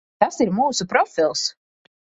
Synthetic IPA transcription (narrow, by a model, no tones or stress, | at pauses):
t̪asiɾmuːsupɾɔfʲilˠs